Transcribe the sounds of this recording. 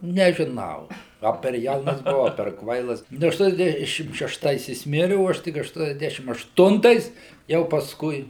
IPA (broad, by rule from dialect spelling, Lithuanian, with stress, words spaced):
nʲɛʒʲɪˈnɐʊ ˈɐ pʲɛr ˈjɛʊnɐs bʊˈɐʊ ɐ pʲɛr ˈkʋɐɪlˠɐs ˈnʊ ɐʃˈtuɔnʲɛzʲˌdʲæːʃʲɪm ʃʲɛʃˈtɐɪs jɪs ˈmʲɪrʲɪ oː ˈɐʃ tʲɪk ɐʃˌtuɔnʲɛzʲˈdʲæːʃʲɪm ɐʃˈtʊntɐɪs jɛʊ pɐsˈkʊɪ